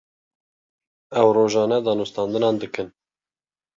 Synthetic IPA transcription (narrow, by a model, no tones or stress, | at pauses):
ɛwroːʒɑːnɛd̪ɑːnust̪ɑnd̪ɨnɑːnd̪ɨkɨn